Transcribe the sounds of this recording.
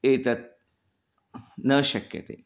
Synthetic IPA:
et̪ət̪̚ | nəɕəkjə̰t̪ḛ

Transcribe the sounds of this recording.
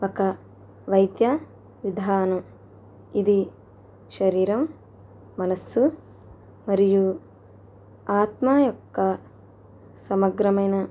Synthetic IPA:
ʋɐkɐ | ʋɐjd̪jɐ | ʋid̪ʱaːnɐm | id̪i | ʃɐɾiːɾɐmː | ɐnɐsːu | mɐɾiju | aːt̪maːjɔkːɐ | sɐmɐɡɾɐmɐjnɐ

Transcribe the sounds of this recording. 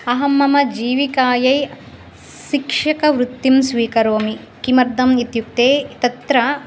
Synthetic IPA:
ɐɦɐmːɐmɐd͡ʒiːʋikaːjɐj | ʃikʂɐkɐʋɾut̪ːimsʋiːkɐɾoːmi | kimɐɾd̪ʱɐmit̪juk̚t̪eːt̪ɐt̪ɾɐ

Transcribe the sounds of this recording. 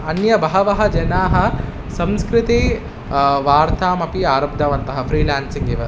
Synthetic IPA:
ɐnjɐbɐɦɐʋɐɦɐ̆d͡ʒɐnaːɦɐ̆ | sɐ̃mskɾɪt̪iː | ʋaːɾt̪ʰaːmɐpiaːɾɐb̚d̪ʱɐʋɐnt̪ɐɦɐ̆fʰɾiːlaːnsiŋɡiʋɐ

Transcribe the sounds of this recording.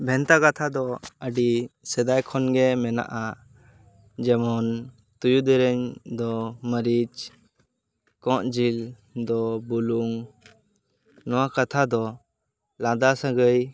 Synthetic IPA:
bʱɛnt̪akat̪ʰad̪ɔəɖisɛd̪ajkʰɔnɡɛmɛna̰ʔa | d͡ʒɛmɔn | t̪ujud̪ɛɾɛɲd̪ɔməɾid͡ʒ | kɔ̃ʔd͡ʒil | d̪ɔbuluŋ | nɔwakat̪ʰad̪ɔ | lad̪asaɡəj

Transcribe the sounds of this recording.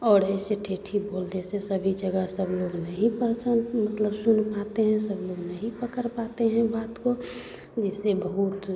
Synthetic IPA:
ɔːɾɛɪseʈʰeːʈʰiboːld̪esesəbʱid͡ʒəɡəɦsəbloːɡnəɦĩpəsə̃nd̪mət̪ləbsʊnpat̪eɦɛ̃səbloːɡnəɦĩpəkəɾpat̪eɦɛ̃baːt̪ko | d͡ʒɪsːebəɦut̪

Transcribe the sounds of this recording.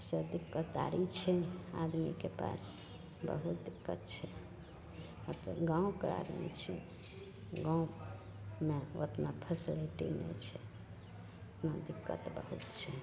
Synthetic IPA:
sed̪ikːət̪a̰ɾit͡ʃʰɛad̪mikepa̰s | bə̰ɦut̪̚d̪ikːə̰t̪t͡ʃʰɛ | ot̪ɡãũkea̰d̪mḭt͡ʃʰɛ̰ | ɡãũ | meot̪napʰəsiliʈḭnɛ̰t͡ʃʰɛ | ot̪nad̪ikːə̰t̪bə̰ɦut̪t͡ʃʰɛ

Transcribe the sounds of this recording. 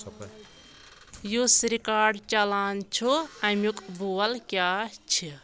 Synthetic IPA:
jusɾikaːɖt͡ʃɐlaːnt͡ʃʰuɐmjukʼbuːɐlkʲjaːt͡ʃʰi

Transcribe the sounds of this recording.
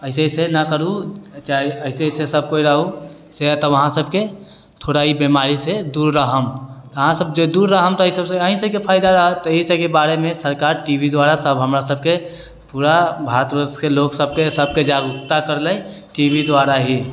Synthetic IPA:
əɪsesenakəɾut͡ʃaːiəɪsesesəb̚koiɾəɦu | set̪ɔʋəɦãsəbke | t̪ʰoːɽaɦibimaːɾised̪uːɾːəɦəmt̪ɔɦãsəbd͡ʒod̪uɾːəɦəmt̪ɔisəbseəɦĩsekepʰaːɪd̪aɾəɦət̪ɔisekebaːɾemẽsəɾkaːɾʈibid̪waːɾasəbɦəmɾasəb̚ke | puːɾabʱaːɾət̪ɾəskeloksəb̚kesəb̚ked͡ʒaɡʊkt̪akəɾlə | ʈibid̪ʋaːɾaɦi

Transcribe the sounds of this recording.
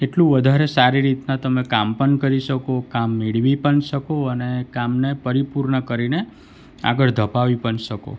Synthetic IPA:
eʈlũʋəd̪ʱaɾesaɾiɾit̪nat̪əmekampəɳkəɾiʃəkokamːeɭʋipəɳʃəkoənekamnepəɾipuɾɳəkəɾine | a̰ɡəɭd̪ʱəpaʋipəɳʃəko̰

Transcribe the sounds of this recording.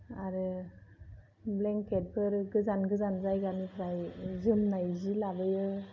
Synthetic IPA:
aɾɯ | blɛŋket̚bʰɯɾɡɯzanɡɯzanzajɡanipʰɾajzɯmnajzilabɯjɯ

